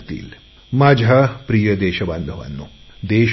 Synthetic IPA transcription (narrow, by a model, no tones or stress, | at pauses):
t̪ḭːl | maːd͡ʒʱɐpɾijɐd̪eːʃɐbɐnd̪ʱɐʋɐ̰nːud̪eː